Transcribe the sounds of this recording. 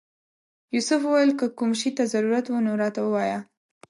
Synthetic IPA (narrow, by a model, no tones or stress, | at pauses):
jusʊfwuwajəlkəkumʃit̪azaɾuɾat̪wunoɾɑt̪awəwɑja